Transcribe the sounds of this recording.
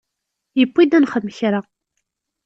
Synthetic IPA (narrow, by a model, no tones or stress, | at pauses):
jəpːid̪ænχəðməçɾa